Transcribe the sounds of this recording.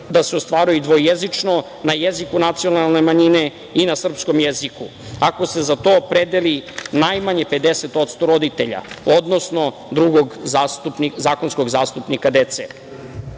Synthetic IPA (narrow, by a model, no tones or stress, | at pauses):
d̪aseost̪ʋaːɾujud̪ʋo̞jezit͡ʂno̞ | najezikunat̪sijo̞nalˠne̞maɲine̞ | inasr̩psko̞mjeziku | ako̞se̞zat̪o̞ːpɾed̪elinajmaɲe̞pe̞d̪e̞set̪o̞t̪st̪o̞ɾo̞d̪it̪ḛʎa̰od̪nosno̞ | d̪ɾuɡo̞ɡzaːst̪upnizaːko̞nsko̞ɡzaːst̪upnikad̪et̪se